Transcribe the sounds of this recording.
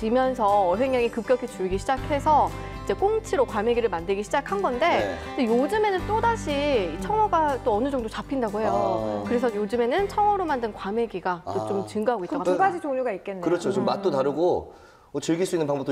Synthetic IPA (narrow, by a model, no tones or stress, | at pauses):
t͡ɕimjʌnsʰʌːɦe̞ŋɲaŋikɯp̚k͈jʌkʰit͡ɕuɭɡiɕʰid͡ʑakʰe̞sʰʌ | id͡ʑe̞k͈oŋt͡ɕʰiɾokwame̞ɡiɾɯɭmandɯɭɡiɕʰid͡ʑakʰanɡʌnde̞ | nejod͡ʑɯme̞nɯnt͈odaɕʰiit͡ɕʰʌŋʌɡat͈oʌnɯd͡ʑʌŋdot͡ɕapʰindaɡoɦe̞jokɯɾe̞s̬ʰʌjod͡ʑɯme̞nɯnt͡ɕʰʌŋʌɾomandɯnkwame̞ɡiɡat͈ot͡ɕomt͡ɕɯŋɡaɦaɡoit͈aɡad͡ʑit͡ɕoŋɲuɡaik͈enːɯɾʌt͡ɕʰot͡ɕomːat̚t͈otaɾɯɡo | ot͡ɕɯɭɡiɭs͈uinːɯnpaŋbʌpt͈o